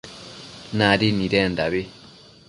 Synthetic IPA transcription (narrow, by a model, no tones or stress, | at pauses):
naɾiniɾɛnd̪aβi